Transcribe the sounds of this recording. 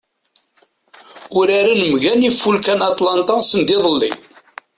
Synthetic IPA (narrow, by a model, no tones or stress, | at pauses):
ʊɾaɾanəmʝænifːulkænɑt̪ˤlɑnt̪ɑsənd̪ɪðˤəlːḭ